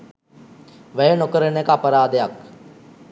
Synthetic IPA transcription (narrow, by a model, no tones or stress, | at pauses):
ʋæjənokəɾənekəapəɾaːd̪əjak